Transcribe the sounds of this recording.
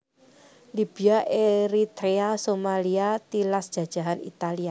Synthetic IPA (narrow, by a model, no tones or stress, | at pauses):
lib̥iaʔeɾit̪ɾeasomaliat̪ilasd̥ʒ̥a̤d̥ʒ̥ä̤ɦanḭt̪alia